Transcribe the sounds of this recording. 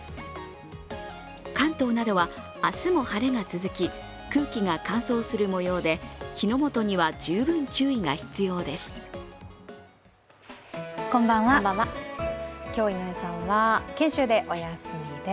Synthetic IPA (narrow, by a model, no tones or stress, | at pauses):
kãnt̪o̞ːnad̪o̞βa | asɨmo̞haɾe̞ŋat͡sɨzɨkʲi | kɯ̟ːkʲiŋakãɰ̃so̞ːsɨɾɯ̟mo̞jo̞ːd̪e̞çino̞mo̞t̪o̞ɲ̟iβad͡ʑɨːbɯ̟̃ɲt͡ɕɨːiŋaçi̥t͡sɨjo̞ːd̪e̞sɨ̥ | kõmbãɰ̃βaaa | kʲo̞ːimosãɰ̃βakẽ̞ɰ̃ɕɨːd̪e̞ʔo̞jasɨmed̪e